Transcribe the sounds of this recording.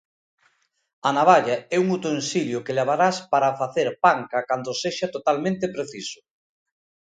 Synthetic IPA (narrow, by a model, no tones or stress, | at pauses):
anaβaʎaɛuŋut̪onsiljʊkeleβaɾaspaɾafaθeɾpaŋkɐkand̪oseʃat̪ot̪almẽnt̪epɾeθisʊ̥